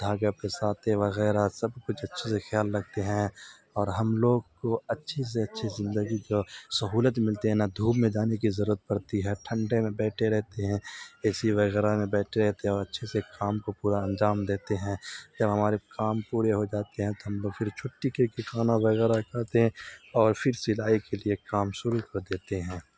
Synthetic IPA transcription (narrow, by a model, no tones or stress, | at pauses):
d̪ʱaːɡapesaːt̪eʋɐɣɛːɾasɐbkʊt͡ʃʰɐtːʃʰesexjaːlːɐɡ̚t̪eɦɛ̃ | ɔːɾɦɐmloːɡ̚koɐtːʃʰes̬eɐtːʃʰezɪ̃nd̪əɡid͡ʒoːsɐɦuːlət̪mɪlt̪iɦɛ̃nad̪ʱuːbmẽd͡ʒaːnekizɐɾuːɾət̪̚pɐɾt̪iɦɛʈʰə̃ɳɖemẽbɛːʈʰeɾɛɦt̪eɦɛ̃ːɛːsiʋɐɣɛːɾamẽbɛːʈʰeɾɛɦt̪eɦɛ̃ɔːɾɐtːʃʰesekaːmkopuːɾaɐ̃ɲd͡ʒaːmd̪eːt̪eɦɛ̃d͡ʒɐbɦɐmaːɾekaːmpuːɾeɦod͡ʒaːt̪eɦɛ̃t̪oɦɐmloːɡfɪɾt͡ʃʰoːʈːikekekʰaːnaʋɐɣɛːɾakaɾt̪eɦɛ̃ɔːɾfɪɾsɪlaːikeliekaːmʃʊɾukɐɾd̪eːt̪eɦɛ̃ː